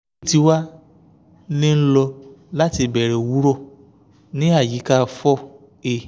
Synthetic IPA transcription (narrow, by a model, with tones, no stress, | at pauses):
ti˨˦wa˦ | lĩ˦n̩˦lɔ˧la˦ti˧bɛ˨ɾɛ˨wu˨˦ɾɔ˦˨ | nĩ˦a˦˨ji˨˦ka˦˧fɔ˦˨ | e˧˨